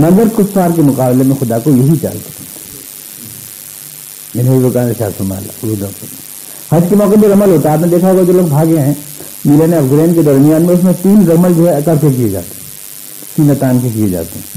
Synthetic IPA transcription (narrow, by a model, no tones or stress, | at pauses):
nɐ̃ŋɡəɾkʊt̪ːaːɾkemʊqaːblemẽxʊd̪akojɐɦit͡ʃa̰ːlt̪e̥ | mɪnuibokaːneʃa̰ːsʊma̰ːla̰udo | hɐskemɔːkebʱiɾɐməlɦoːt̪aɦɛaːpnẽd̪eːkʰaɦoːɡad͡ʒoːloːɡbʱaːɡẽɦɛ̃ | miːleneɐfɡɾẽːnked̪ɐɾmijaːnmẽʊsmẽt̪iːnɾɐməld͡ʒoɦɛkɐɾkek̬ijed͡ʒa̰ːt̪e̥ɦɛ̃ | siːnat̪aːnkek̬ijed͡ʒa̰ːt̪eɦɛ̃